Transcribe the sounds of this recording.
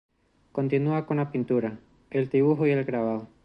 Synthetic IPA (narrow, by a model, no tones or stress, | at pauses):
kont̪inuakonapint̪uɾa | elt̪iβuxoie̞lɡɾaβao